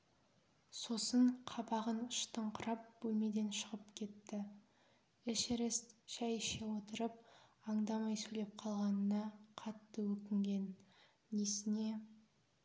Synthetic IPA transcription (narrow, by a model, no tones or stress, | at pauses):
so̞səɴqʰɑbɑʁənəʃt̪əɴqʰʊɾɑp̚b̥ɵlme̞d̪e̞nʃəʁəpkʲʰe̞t̪ːɪ | ɪʃeɾest̪ʃæjʃewot̪əɾəp̚ɑɴd̪ɑmɑjsɵle̞p̚qʰɑlˠʁɑnənɑqʰɑt̪ːəwɵkʲɪŋɡʲe̞nː | esɪne̞